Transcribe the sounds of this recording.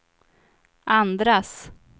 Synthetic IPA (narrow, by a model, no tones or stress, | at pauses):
ʔand̪ɾas